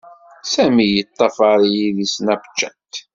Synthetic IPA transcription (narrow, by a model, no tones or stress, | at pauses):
sæmijət̪ˤːɑfɑɾjiðisnæbət͡ʃːæt̪